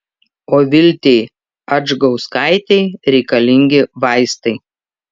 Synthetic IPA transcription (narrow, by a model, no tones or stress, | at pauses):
oːʋʲɪlʲt̪ʲeɪ | ɐd͡ʒɡɒʊskɑɪt̪ʲɛɪɾʲɛɪkɐlʲɪŋʲɡʲɪʋɐɪst̪ɐɪ